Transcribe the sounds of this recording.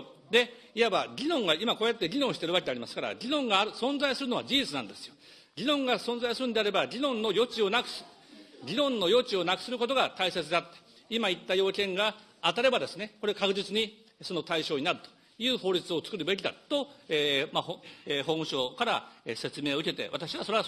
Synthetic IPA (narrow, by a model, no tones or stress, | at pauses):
d̪e̞ | ijabaɾʲinõ̞ŋɡaimakoːjat̪ːe̞ɾʲinõɕi̥t̪eɯβake̞d̪eaɾʲimasɨ̥kaɾa̰ɾʲinõ̞ŋɡaːɾɯ̟sõ̞nzaisɨɾɯno̞β̞a̰d͡ʑiit͡sɨnãnd̪e̞sɨ̥jo | ɾʲinõ̞ŋɡasõ̞nzaisɨɾɯnod̪eaɾe̞baɾʲinõ̞nːo̞jo̞t͡ɕio̞nakɯ̟̥s | ɾʲinõ̞nːo̞jo̞t͡ɕio̞nakɯ̥sɨɾɯ̟ko̞t̪o̞ɡat̪aise̞t͡sɨd̪at̪ːe̥ | imait̪ːajo̞ːkẽ̞ŋɡaː | t̪aɾe̞bad̪e̞sɨne̞ko̞ɾe̞kakɯ̟ʑit͡sɨɲ̟i | so̞no̞t̪aiɕo̞ːɲinaɾɯ̟t̪o̥ | jɯ̟ːho̞ːɾʲit͡sɨo̞t͡sɨ̥kɯ̟ɾɯ̟be̞k̬ʲid̪a̰t̪o̞eːmahoehõ̞ɰ̃ɕo̞ːkaɾaese̞t͡sɨme̞ːoɯ̟ke̞t̪e̞̰βat̪aɕiβaso̞ɾe̞